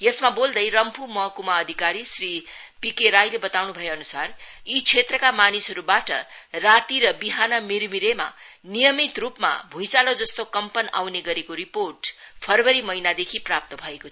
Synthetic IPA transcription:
jesmabold̪ʌjɾʌmpʰumʌkumaʌd̪ʱikaɾisri | pikeɾajlebʌt̪awnubʱʌjeʌnusarit͡sʰet̪rʌkamanisɦʌɾubaʈʌ̰rat̪iɾʌbiɦanʌmiɾmiɾema̰ | nijʌmit̪rupma̰bʱũjt͡salod͡zʌst̪okʌmpʌna̰wneɡʌɾekoɾiporʈpʰʌrwʌɾimʌjnad̪ekʰiprap̚t̪ʌbʱʌekot͡sʰ

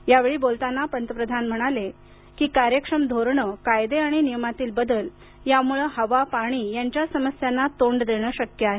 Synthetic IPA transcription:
jaʋeɭiːbolt̪anːapənt̪əpɾəd̪ʱanm̤əɽ̃ale | kiːkaɾjəkʂəmd̪ʱoɾɳəkajd̪eaɽ̃inijəmat̪iːlbəd̪əl | jamuɭəɦəʋapaɽ̃iːjaɲt͡ɕjasəməsjanːat̪oɳɖd̪eɽ̃əːɕəkjəaɦe

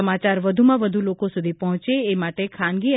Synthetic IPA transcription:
əmat͡ʃaɾʋəd̪ʱumãʋəd̪ʱulokosud̪ʱipəɦɔ̃t͡ʃeːmaʈekʰãnɡi

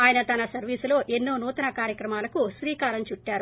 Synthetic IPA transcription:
aːjɐnɐt̪ɐnɐsɐɾʋiːsulo̞ːʔenːoːnuːt̪ɐnɐkaːɾjɐkɾɐmaːlɐkuʃɾiːkaːɾɐmt͡ʃuʈːaːɾu

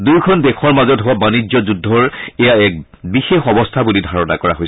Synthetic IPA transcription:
duɹkʰɔndɛkʰɔɹmazɔtɦʊwabanid͡ʒɔzudʱːɔɹɛjaɛk̚ | bixexɔbɔstʰabulidʱaɹɔna̰kɔɹa̰ɦojs

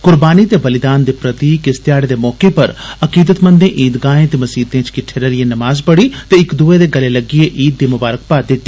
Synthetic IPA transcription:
kʊɾbaːniːt̪eːbəlɪd̪aːnd̪eːpɾət̪iːkɪst̪ɪjaːɽeːd̪eːmɔːkepəɾəkiːd̪ət̪mə̃nd̪ẽːʔiːd̪ɡaːẽːt̪eːməsiːt̪ẽːt͡ʃkɪʈʰːeːɾeːlɪeːnəmaːzpəɽiːt̪eːɪkd̪uːeːd̪eːɡəleːləɡieʔiːt̪̚d̪iːmʊbaːɾək̚paːt̪d̪ɪt̪ːi

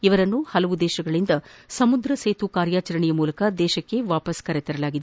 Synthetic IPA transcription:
iʋɐɾɐnːuhɐlɐʋud̪ɛːʃɐɡɐɭind̪ɐsɐmud̪ɾɐseːt̪ukaːɾjaːt͡ʃɐɾɐɳɛjɐmuːlɐkɐd̪ɛːʃɐkːe̞ʋaːpɐskɐɾɛt̪ɛɾɐlaːɡid̪e

